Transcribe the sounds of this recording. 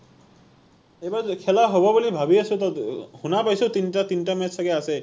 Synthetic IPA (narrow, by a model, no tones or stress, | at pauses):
ebaɾkʰelaɦobɔbolibʱabiəsut̪ɔhunapajsut̪inʈat̪inʈamesəkease